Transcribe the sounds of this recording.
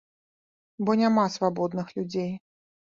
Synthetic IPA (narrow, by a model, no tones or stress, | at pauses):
bɔnʲamasvabɔd̪nɨxlʲud͡zʲej